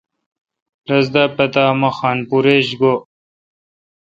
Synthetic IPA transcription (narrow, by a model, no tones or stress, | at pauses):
ɾɐzd̪apɐt̪aːmɐxaːnpuɾeːɕɡo